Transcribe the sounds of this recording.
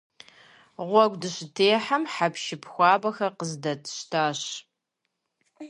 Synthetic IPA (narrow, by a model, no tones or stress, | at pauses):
ʁʷɔɡʷdɨɕɪtʰeːħamħapʰʃɪpʰxʷɑːbɐxɐqəzdɐtʰʃtʰaːɕ